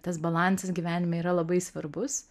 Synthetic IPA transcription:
t̪ɐs̬bɐlˠɑnsɐsɡʲiʋʲæːnʲɪmɐiːɾɐlˠɐbɐɪsʋɐɾbʊs

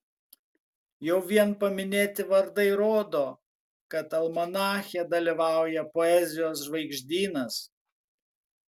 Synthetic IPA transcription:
jɛʊʋʲiɛnpɐmʲɪnʲeːt̪ʲɪʋɐɾd̪ɐɪɾoːd̪oː | kɐt̪ɐlˠmɐnɑːxʲɛd̪ɐlʲiʋɑˑʊjɛpoɛzʲɪjoːsʒʋɐɪɡʒʲd̪ʲiːnɐs

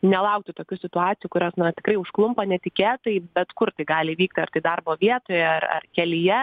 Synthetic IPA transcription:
nʲɛlˠɐʊk̚t̪ʊt̪oːkʲʊsʲɪt̪ʊɑːt͡s̪ʲɪjʊkʊɾʲoːsnɐt̪ʲɪkɾɐɪʊʃklˠʊmpɐnʲɛt̪ʲɪkʲeːt̪ɐɪbʲɛt̪kʊrt̪ɐɪɡɑːlʲɪʋʲiːk̚t̪ʲɪɐrt̪ɐɪd̪ɐrboːʋʲiɛt̪oːjɛɐrɐ̰rkʲɛlʲɪjɛ

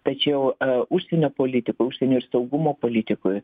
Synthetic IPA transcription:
t̪ɐt͡ʃʲɛʊʊʃʲsʲɛnʲoːpoːlʲɪt̪ʲɪkʊɪʊʃʲsʲɛnʲoːɪɾsɐʊɡʊmoːpoːlʲɪt̪ʲɪkoj

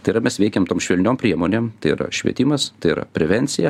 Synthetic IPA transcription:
t̪ɐɪɾɐmʲɛsʋʲɛɪkʲemt̪oːmʃʲʋʲɛlʲnʲoːmpʲɾʲiɛmoːnʲeːmt̪ɐɪḭɾɐ̰ʃʲʋʲḭɛt̪ʲɪːmɐst̪ɐɪɪɾɐ̰pʲɾʲɛʋʲɛnʲt̪sʲɪjɛ

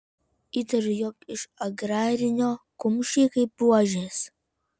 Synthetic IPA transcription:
iːt̪ɐɾʲʊjɔkɪʃɐɡɾɑːɾʲɪnʲoːkʊmʲʃʲiːkɐɪpːuɔʒʲeːs

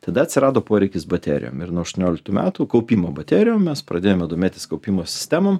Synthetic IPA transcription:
t̪ɐd̪ɐɐt̪ʲsʲɪɾɑːd̪oːpoɔɾʲɛɪkʲɪsbɐt̪ʲæ̰ːɾʲɪ̰jo̰ːmɪɾnuɔːɐʃt̪oɔnʲoːlʲɪkt̪uːmʲæ̰ːt̪uːkɐʊpʲiːmoːbɐt̪ʲæːɾʲɪjoːmmʲɛspɾɐd̪ʲeːjomʲɛd̪oːmʲeːt̪ʲɪskɐʊpʲiːmoːsʲɪ̥sʲt̪ʲæmom

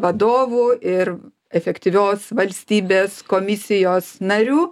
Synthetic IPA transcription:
ʋɐd̪oːʋuːɪr | ɛfʲɛkt̪ʲiʋʲoːsʋɐlʲsʲt̪ʲiːbʲeːskoːmʲɪsʲɪjoːsnɐɾʲuː

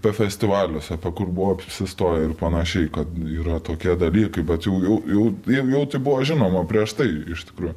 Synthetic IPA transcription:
pʲɛfʲɛsʲt̪ʲɪʋɑːlʲʊsɐpʲɛkʊrbʊʋoɐpʲsʲɪst̪oːjɛɪrpɐnɐʃʲɛɪkɐt̪iːɾɐt̪oːkʲiɛd̪ɐlʲiːkɐɪbʲɛt̪jɛʊjɛʊjɛʊjɛjɛʊt̪ɐɪbʊʋoʒʲɪnoːmɐpʲɾʲiɛʃt̪ɐɪɪʃt̪ʲɪ̥kɾuːjʊ

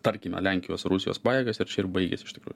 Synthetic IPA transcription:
t̪ɐɾʲkʲimʲɛ̰lʲæŋʲkʲɪjoːsɾʊsʲɪjo̰ːspɑːjeːɡɐsɪɾt͡ʃʲɛɪɾbɐɪɡʲɛ̰sʲɪʃt̪ʲɪ̥kɾṵːjʊ

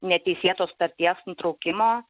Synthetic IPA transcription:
nʲɛt̪ʲɛɪsʲeːt̪oːst̪ɐɾʲt̪ʲiɛsnt̪ɾɐʊkʲɪmoː

